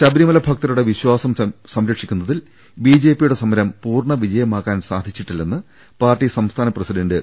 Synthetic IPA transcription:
ɕɐbɾimɐlɐbʱɐk̚t̪ɐɾuɽe̞ʋiɕwaːsɐmsɐmɾɐkʂikʲːunːɐðil | biːd͡ʑe̞ːpːijuɽe̞sɐmːɐɾɐmpuːrɳɐʋid͡ʑɐjɐmaːkːaːnsaːd̪ʱit͡ɕːiʈːilːenːɨ | paːrʈːisɐmst̪ʰaːnɐprɐsiɖɐndɨ

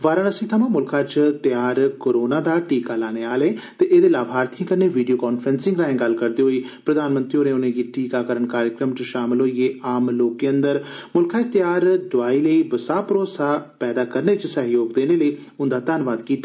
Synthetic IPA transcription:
ʋaːɾə̃ːnəsĩːt̪ʰəmãːmʊlkʰaːt͡ʃt̪jaːɾkoːɾoːnaːd̪aːʈiːkaːlaːñeːaːlẽːt̪eːʔeːd̪eːlaːbɦaːɾt̪ʰĩːkəɾneːʋiːɖijoːkaːnpʰɾənsɪ̃ŋɡɾaːẽːɡəlkəɾd̪eːɦoːiːpɾəd̪aːnmə̃nt̪ɾioːnẽːʊnẽːɡiːʈʰiːkaːkəɾəɳkaːɾjəkɾəmt͡ʃəʃaːmɪlɦoːieːaːmloːkiːənd̪əɾmʊlkʰãːt͡ʃt̪ɪjaːɾɖʊʋaːiːləiːbəsaːpəɾoːsaːpɛːd̪aːkəɾneːt͡ʃsəɦjoːɡd̪eːneːləiː | ʊnd̪aːt̪aːnʋaːd̪kiːt̪ːaː

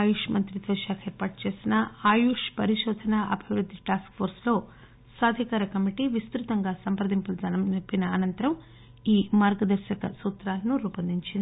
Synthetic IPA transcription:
aːjuʂmɐnt̪ɾid̪ʋɐʃaːkɐeːɾpaːʈ̚t͡ʃe̞ːsinɐaːjuʂpɐɾiʃɔːd̪ʱɐnaːʔɐ̰bʱiʋɾud̪ʱːiʈaːskpʰoːɾslo̞ː | saːd̪ʱikaːɾɐkɐmiʈiʋist̪ɾut̪ɐŋɡaːsɐmpɾɐd̪impulud͡ʒɐnɐpinɐːnɐnt̪ɐɾɐm | iːmaːɾɡɐd̪ɐɾʃɐkɐsuːt̪ɾaːlɐnuɾuːpɐnd̪iɲt͡ʃind̪i

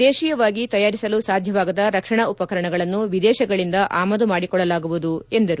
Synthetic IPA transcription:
d̪eːʃijɐʋaːɡit̪ɐjaːɾisɐlusaːd̪ʱjɐʋaːɡɐd̪ɐɾɐkʂɐɳɐupɐkɐɾɐɳɐɡɐɭɐnːuʋid̪ɛːʃɐɡɐɭind̪ɐʔaːmɐd̪umaːɽikɔɭːɐlaːɡuʋud̪ue̞nd̪ɐɾu

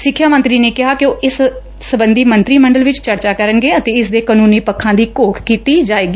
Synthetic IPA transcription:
sɪkʰːjaːmə̃nt̪ɾiːneːkɪɦaːkɪoːɪs | səbənd̪iːmənt̪ɾiːməɳɖəlʋɪt͡ʃt͡ʃəɾt͡ʃaːkəɾənɡeːət̪ẽːɪsd̪eːkənuːniːpəkʰːãːd̪iːkoːkʰkiːt̪iːd͡ʒaːeːɡiː

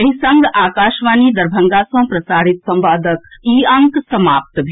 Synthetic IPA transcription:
ɐɦisɐ̃ŋɡʱʔaːkaːʃʋaːnid̪ɐɾbʱɐŋɡaːsɐ̃pɾɐsaːɾit̪sɐ̃mbaːd̪ʱəkiːɐ̃ŋksɐmaːp̚t̪bʱ

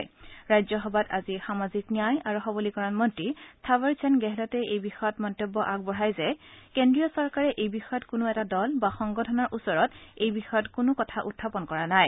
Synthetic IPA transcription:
jɹajzɔxɔbatazixamaziknijajaɹuxɔbɔlikɔɹanmɔntɹitʰabaɹsʰɛnɡɛɦɛlɔtɛejbixɔjɔtmɔntobːɔʔaɡ̚bɔɹajzɛkendɹiɔsɔɹkaɹɛʔejbixɔjɔtkʊnʊɛtadɔlbaxɔŋɡɔtʰɔnɔɹʔusɔɹɔtejbixɔjɔtkʊnʊkɔtʰaʔutʰːapɔnkɔɹanaj

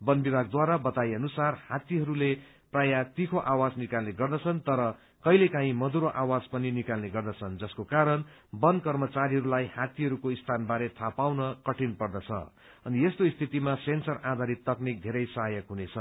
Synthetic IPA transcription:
bʌnbibʱaɡ̚d̪waɾabʌt̪ajʌnusarhat̪iɦʌɾule | prajat̪ikʰoʔawad͡znikalneɡʌrd̪ʌt͡sʰʌnt̪ʌɾʌ | kʌjlekãɦĩmʌd̪uɾoʔawad͡zpʌninikalneɡʌrd̪ʌt͡sʰʌnd͡zʌskokaɾʌn | bʌnkʌrmʌt͡saɾiɦʌɾulajhat̪iɦʌɾukoist̪ʰanbaɾet̪ʰapawnʌkʌʈʰinpʌrd̪ʌt͡sʰʌ̰ | ʌniest̪oist̪ʰit̪imasensʌrad̪ʱaɾit̪ːʌknik̚d̪ʱeɾʌjsʌɦʌjʌkɦunet͡sʰʌ

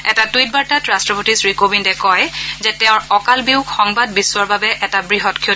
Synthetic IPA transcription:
ɛ̰tatuwit̚baɹtatɹastɹɔbotisɹikobiŋtɛkɔjzɛtɛʊ̃ɹɔkalbiʊkxɔŋbad̚bisːʊwaɹbabɛʔɛtabɹiɦɔtkʰi

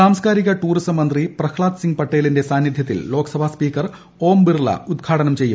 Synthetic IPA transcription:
saːmskaːɾiɣɐʈuːrisɐmːɐnd̪riprɐkʰɭaːt̪siŋɡ̚pɐʈːeːlinde̞saːnjid̪ʱjɐt̪ːḭllo̞ːkɐsɐbʱaspiːkɐr | o̞ːmbirlɐ̰ud̪̚ɡʰʱaːʈɐnɐmt͡ɕe̞jːṵm

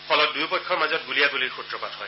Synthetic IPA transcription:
pʰɔlɔt̚dujpɔjkʰːɔɹmazɔt̚ɡulijaɡuliɹxutɹɔpatɦɔj

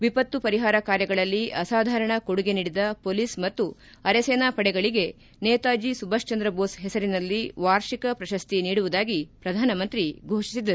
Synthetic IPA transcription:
ʋipɐt̪ːupɐɾiɦaːɾɐkaːɾjɐɡɐɭɐlːiʔɐsaːd̪ʱaːɾɐɳɐkoɽuɡe̞niːɽid̪ɐpoːliːsmɐt̪ːu | ɐɾeseːnaːpɐɽɛɡɐɭiɡe̞ | neːt̪aːd͡ʒisubɐʃt͡ʃɐnd̪ɾɐboːsɦɛsɐɾinɐlːiʋaːɾʃikɐpɾɐʃɐst̪iniːɽuʋud̪aːɡipɾɐd̪ʱaːnɐmɐnt̪ɾiɡʱoːʃi̥sid̪ɐɾu

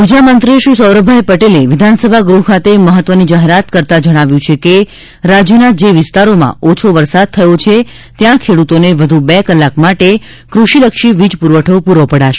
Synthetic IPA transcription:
ʋid͡ʒamənt̪ɾiʃusəwɾəbʱajpəʈeleʋɪd̪ʱansəbʱaɡɾuɦkʰat̪eməɦət̪ːʋənid͡ʒaɦeɾat̪kəɾt̪ad͡ʒəɽ̃aʋjũt͡ʃʰeke | ɾad͡ʒjunad͡ʒeʋɪst̪aɾomã̰ot͡ʃʰoʋəɾsad̪̚t̪ʰəjot͡ʃʰe | t̪jãkʰeɽut̪oneʋəd̪ʱubɛkəlːakmaʈe | kɾuʃiləkʃiʋid͡ʒpuɾʋəʈʰəpuɾʋopəɽaʃe

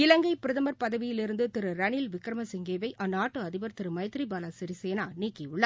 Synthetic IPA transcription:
ɪlɐŋɡɐɪpɪɾɐðɐmɐɾpɐðɐʋɪjɪlɪɾɯnd̪ɯt̪ɪɾɯɾɐnɪlʋɪkːɾɐmɐsɪŋɡeːʋɐɪʔɐnːaːʈːɯɐðɪbɐɾt̪ɪɾɯmɐjɐt̪ɾibaːlasɪɾiseːnaːniːkːɪʊɭːɐ

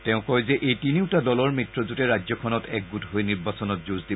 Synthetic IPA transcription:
tɛʊ̃kɔjzɛʔejtiniʊtadɔlɔɹmitɹɔzutɛɹazɔkʰɔnɔtɛk̚ɡutɦojniɹbasɔnɔtzuzdi

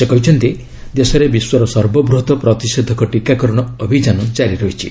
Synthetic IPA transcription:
sekɔɦit͡ʃʰɔnt̪i | d̪esɔɾebiswɔɾɔsɔɾbɔbɾuɦt̪ɔpɾɔt̪ised̪ʱɔkɔʈikakɔɾɔɽ̃ɔːbʱid͡ʒanɔt͡ʃaɾiɾɔɦit͡ʃʰi

